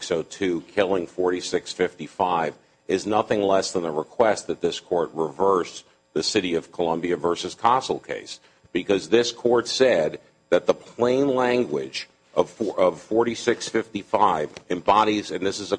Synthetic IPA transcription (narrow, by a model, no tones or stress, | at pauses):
ksoʊtʰʉkʰɪlˠɪ̃ŋfɔɹɾisɪksfɪftifaɪv | ɨznʌθɪ̃ŋlɛsðə̃nðəɹəkʰw̥ɛst̪̚ðɨt̪̚ðɪskʰɔɹt̚ɹɪvɜ˞s | ðɨsɪɾiʌv̥kʰəlʌ̃mbiɨvɜ˞sɨz̥kʰɑsl̩ˠkʰḛɪs | b̥ɨkʌzðɪskʰɔɹtsɛd̪̚ | ðɨt̪̚ðəpʰl̥ẽɪ̃nlæ̃ŋɡwɪd͡ʒ | ʔʌv̥fʌv̥fɔɹɾisɪksfɪftifaɪvɨ̃mbɑɾizɨ̃nðɪsɨzɨ